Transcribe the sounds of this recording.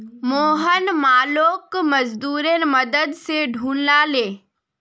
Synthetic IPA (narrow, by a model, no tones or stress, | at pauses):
moːɦənmaːloːkməd͡ʒd̪uːɾenməd̪əd̪seɖʱuːnlaleː